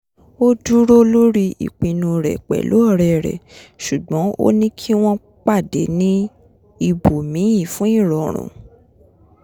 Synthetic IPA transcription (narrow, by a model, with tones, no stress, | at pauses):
o˦du˦ɾo˦lo˦ɾi˦ḭ˨k͡pĩ˧nũ˧ɾɛ̰˨k͡pɛ̰˨lo̰˨˦ɔ˦˨ɾɛ˨ɾɛ̰˨ʃu˨ɡ͡bɔ̃˨˦o̰˦nĩ˦kʰi˦w̃ɔ̃˦ | k͡pa˦˨de˨˦nĩ˦ | i˧bo˨mĩ˨˦jĩ˦˨fũ˨˦i˦˨ɾɔ˨ɾ̃ṵ̃˨